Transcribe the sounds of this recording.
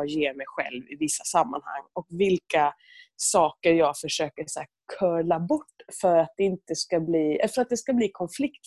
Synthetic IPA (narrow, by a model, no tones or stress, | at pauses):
jeːɾmɛjɧɛ̰lvɪvɪsːasamːa̰nha̰ŋːɔkvɪlka | sɑːkəɾjɑːɡfœʂøːkəsæː | kʰœːɭabɔʈːfœɾat̪̚d̪ɛɪnt̪əskabliːɛ̰lːfœɾat̪̚d̪ɛskabliːkʰɔnflɪkt̪